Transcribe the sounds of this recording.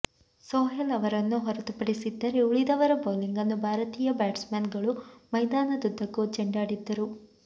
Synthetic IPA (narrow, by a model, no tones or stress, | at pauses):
soːɦɐlɐʋɐɾɐnːuɦɔɾɐt̪upɐɽisid̪ːɐɾe̞uɭid̪ɐʋɐɾɐboːliŋɡɐnːubʱaːɾɐt̪iːjɐbaːʈsmaːnɡɐɭumɐjd̪aːnɐd̪ud̪ʱːɐkːut͡ʃeɳɖaːɽid̪ːɐɾu